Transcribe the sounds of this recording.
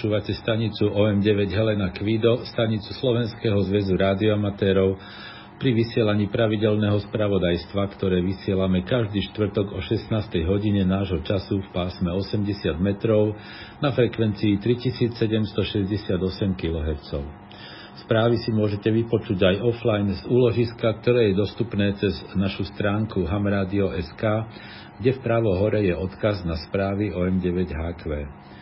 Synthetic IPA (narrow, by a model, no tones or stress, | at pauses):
t͡ʃuːʋacɛst̪aɲit͡suʔɔɛmɟɛʋɛɟɦɛlɛnakʋid̪ɔst̪aɲit͡su̥slɔʋɛnskɛːɦɔzʋɛzuɾaːd̪iɔamat̪ɛːɾɔʊ | pɾiʋisɪɛlaɲiːpɾaʋiɟɛlnɛːɦɔspɾaʋɔd̪ajst̪ʋakt̪ɔɾɛːʋisɪɛlamɛkaʒd̪iːʃt̪ʋr̩t̪ɔɡɔʃɛsnaːst̪ɛjɦɔɟiɲɛnaːʒɦɔt͡ʃasufpaːsmɛɔsɛmɟɛsɪad̪mɛt̪ɾɔʊ | nafɾɛkʋɛnt͡siːt̪ɾicisiːt͡ssɛɟɛmst̪ɔʃɛzɟɛsɪad̪ɔsɛmkilɔɦɛɾt͡sɔʊ | spɾaːʋisimʊɔʒɛcɛʋipɔt͡ʃuɟajɔflajnzuːlɔʒiskak̚t̪ɔɾɛːjɛd̪ɔst̪upnɛːt͡sɛznaʃust̪ɾaːŋkuɦamɾaːd̪iɔʔɛskaː | ɡɟɛfpɾaːʋɔɦɔɾɛjɛɔt̪kaznaspɾaːʋiɔɛmɟɛʋɛɟɦaːkʋɛː